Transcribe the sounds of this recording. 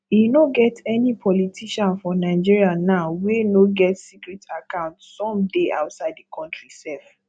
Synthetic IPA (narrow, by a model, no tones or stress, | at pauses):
inoɡɛtɛnipʰɔlitʰiʃãnfɔnãɪd͡ʒiɹianaʊwenoɡɛtsikɹɛtʰakãʊ̃ntsɔ̃mdeʔa̰ʊtsaɪddikʰɔ̃ntɹisɛlf